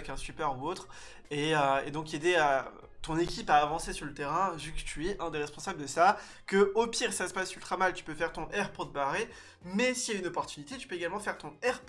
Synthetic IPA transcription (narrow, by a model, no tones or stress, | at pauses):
ɛkɛ̃st̪ypœʁuot̪χ | eøḛd̪ɔ̃ked̪ea | t̪ɔ̃nekʲipaːvɑ̃sesyʁlət̪eʁɛ̃ʒykt̪ɥɛʔɛ̃d̪eʁɛspɔ̃sabləd̪əsa | kəopiʁsasə̥pasylt̪χamalt̪y̥pøfɛʁt̪ɔ̃ʔɛʁpot̪əbaʁe | mɛsiaynɔpɔʁt̪ynit̪et̪y̥pøeɡalmɑ̃fɛʁt̪ɔ̃ɛʁp